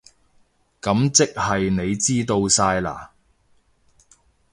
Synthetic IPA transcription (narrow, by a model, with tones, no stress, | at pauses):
kɐ˨˥mt͡sɪ˥k̚hɐ˨jne˨˧jt͡siː˥t̪o˧wsaː˧jla̰ː˨˩